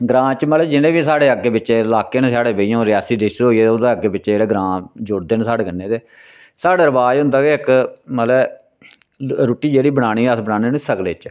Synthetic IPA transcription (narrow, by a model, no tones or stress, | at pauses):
ɡɾãːt͡ʃməlɛːd͡ʒɪnẽːbiːsaːɽeːəɡeːbɪt͡ʃeːlaːkeːnːsaːɽeːbeijãːɾɪjaːsiːd̪eʃɾɦoːiːeːod̪eːəɡːeːbɪt͡ʃːeːɽeːɡɾãːd͡ʒʊɽd̪eːnsaːɽeːkənːeːt̪eː | saːɽeːɾəbaːd͡ʒɦʊ̃nd̪aːɡeːɪkməlɛː | ɾuːʈiːd͡ʒeːɽiːbəɽaːɽ̃iːəsbənãːneːnsəkleːt͡ʃ